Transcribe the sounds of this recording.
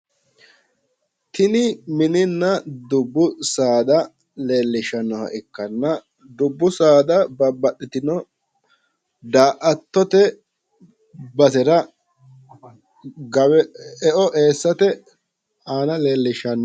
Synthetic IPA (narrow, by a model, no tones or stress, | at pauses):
t̪ʰɪnɪmɪnɪnːɐd̪ʊbːʊsaːd̪ɐ | le̞ːlːɪʃɐnːɔhɐ̰ʔɪkːɐnːɐ | d̪ʊbːʊsaːd̪ɐbɐbɐɗɪt̪ɪnɔ | d̪aːʔɐt̪ːɔt̪ɛ | bɐsɛɾɐ | ɡɐwɛɛʔɔʔe̞ːsːɐt̪ɛ | aːnɐle̞ːlːɪʃɐnːɔ